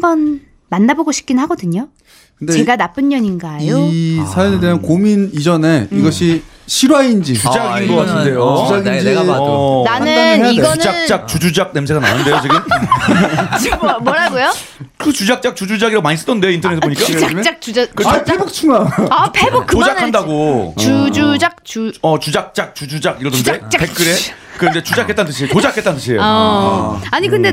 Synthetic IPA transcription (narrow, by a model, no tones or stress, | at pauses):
mbʌn | manːaboɡoɕʰi̥pk͈innhaɡʌdɯɲo | kɯndt͡ɕe̞ɡanap͈ɯɲːʌɲinɡajoisʰajʌnedeankominid͡ʑʌne̞iɡʌɕʰi | ɕʰiɾwaind͡ʑit͡ɕud͡ʑaɡinɡʌkatʰɯnde̞joud͡ʑaɡininanɯaejaiɡʌunɯd͡ʑant͡ɕ͈ak̚t͡ɕud͡ʑud͡ʑak̚ne̞msʰeɡana̰nɯnde̞jot͡ɕiɡɯm | t͡ɕimwʌɾaɡojo | kɯt͡ɕud͡ʑak̚t͡ɕ͈ak̚t͡ɕud͡ʑud͡ʑaɡiɾamaɲis͈ɯ̥dʌnde̞ointʰʌnesʰboɲik͈aakt͡ɕ͈ak̚t͡ɕud͡ʑakɯpʰebok̚t͡ɕʰuŋaapʰebokkkʰod͡ʑankʰandaɡot͡ɕud͡ʑud͡ʑak̚t͡ɕuʌt͡ɕud͡ʑak̚t͡ɕ͈ak̚t͡ɕud͡ʑud͡ʑaɡiɾʌdɯndet͡ɕapek͈ɯɾe | kɯɾʌndet͡ɕud͡ʑakʰet͈ant̬͈ɯɕ̬ʰieotod͡ʑakʰet͈ant̬͈ɯɕʰie̞jo | aɲikɯnde